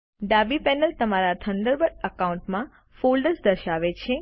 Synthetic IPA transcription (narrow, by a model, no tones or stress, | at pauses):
ɖabipɛnəlt̪əmaɾat̪ʰənd̪əɾbəɾəkaũɳʈmã | folɖəɾsd̪əɾʃaʋet͡ʃʰe